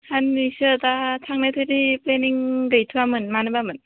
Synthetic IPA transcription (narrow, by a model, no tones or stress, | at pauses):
hanːisɯdatʰaŋnatʰɯɾipleniŋɡɯjtʰuwamɯnmanɯbamɯn